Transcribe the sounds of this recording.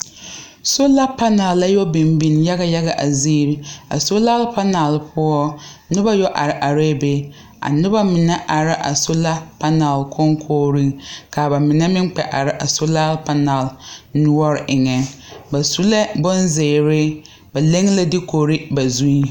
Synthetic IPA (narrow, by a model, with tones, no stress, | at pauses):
so˦la˦pa˦na˨lːa˦jɔ˦bi˨mbi˨nja˦ɣa˦ja˦ɣa˨ʔa˨ziː˦ɾɪ˦a̰˨so˦la˦lpa˦na˨lpʰʊ˦ɔ˦nʊ˦ba˦jɔ˦ʔa˨ɾɪ˨ʔa˨ɾe˦be˦ | a̰˨nʊ˦ba˦mɪ˨nɛ˦ʔa˨ɾɪ˦ʔa̰˨so˦la˦pa˦na˨lkʰo˦ŋkʰoː˦ɾi˦ka˨ba˨mɪ˨nɛ˦mɪ˦ŋ˦k͡pɛ̰˨ʔa˨ɾɪ˦ʔa˨so˦la˦lpa˦na˨lnʊ˦ɔ˦ɾɪ˨ʔɪ˨ŋɛ˨ŋba˨su˦la˦bʊ˦nzeː˨ɾɪ˦ | ba˨le˦ŋ˦la˦dɪ˦ko˨ɾɪ˦ba˨zu˦i˦